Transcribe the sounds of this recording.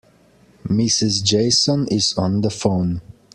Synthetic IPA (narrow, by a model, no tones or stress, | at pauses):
mɪsɪzd͡ʒeɪsə̃nɪzə̃nðəfõʊ̃n